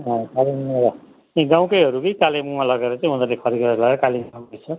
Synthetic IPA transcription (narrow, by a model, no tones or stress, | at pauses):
ɦʌ̃kalineɾʌ | ĩɡãw̃kʌjɦʌɾukʌjkalemuãlʌɡeɾʌt͡sãj̃ɦud̪ʌrlekʰʌɾiɡʌɾʌlʌɡeɾʌkalimʌt͡sʰʌ